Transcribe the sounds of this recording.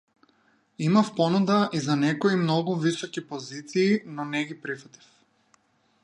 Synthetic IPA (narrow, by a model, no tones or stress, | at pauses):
imafpɔnud̪aʔizanɛkɔimnɔɡuvisɔkipɔzit̪siːnɔnɛɡipɾifat̪i̥f